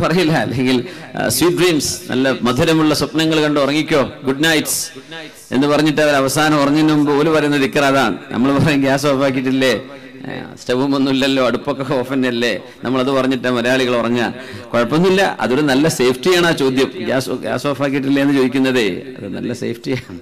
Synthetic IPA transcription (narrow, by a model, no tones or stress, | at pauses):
pɐrɐjilːɐɐ̰lːe̞ŋɡilsjiːʈ̚ːriːmsnʔɐ̰lːɐmɐd̪ʱuɾɐmuɭːɐsopnɐŋːɐɭkɐɳɖɨorɐŋːikʲːo̞ːɡuɖnɐjts | e̞̰nːɨpɐrɐɲːiʈːɐʋɐɾɐʋɐsaːnɐmorɐŋːinːuumbɨoːlupɐrɐjunːɐðikʲːɐraɐðaːɳɨnʔɐ̰mːɐɭpɐrɐɲːumɡʲaːsoːfaːk̬ːiʈːilːe | steʋumonːumilːɐlːo̞ːɐɽupːo̞kːekːeo̞ːfɐnːɐlːe | nɐmːɐɭɐðɨpɐrɐɲːiʈːaːmɐɾɐjaːɭiɣɐɭorɐɲːa̰koɻɐpːo̞nːilːɐɐ̰ðo̞ɾunɐlːɐse̞jːfʰʈijaːɳaːt͡ɕo̞ːd̪jɐmɡja̰ːsɡʲa̰ːsoːfaːk̬iʈ̬ːilːeenːɨt͡ɕo̞ːðikʲːunːɐðɨɐ̰ðɨnɐ̰lːɐsḛːfʰʈijaːɳɨ